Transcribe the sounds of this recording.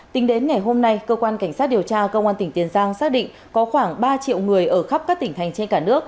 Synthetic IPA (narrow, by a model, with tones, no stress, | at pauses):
t̪ï˨˦ŋ̟ɗe˨˦nŋa˨˩jɦo˧mna˧jkəː˧kwaː˧nka˧˩ŋ̟saː˦˥t̚ɗi˨˩əwt͡ɕaː˧kə˧wŋ͡mʔaː˧nt̪ï˧˩ŋ̟t̪i˨˦ənzaː˧ŋsaː˦˥k̚ɗḭ˧˨ŋ | kɔ˨˦xwaː˧˩ŋɓaː˧t͡ɕḭ˧˨əwŋɨ˨˩əjʔəː˧˩xa˦˥p̚kaː˦˥k̚t̪ï˧˩ŋt̪ʰa˨˩jŋ̟t͡ɕe˧nkaː˧˩nɨ˦˥ək̚